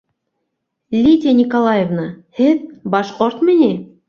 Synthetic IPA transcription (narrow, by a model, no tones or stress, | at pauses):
lʲit̪ʲenʲikolˠɑjevnɤhɘðbɑʃqoɾt̪mɘ̆nʲi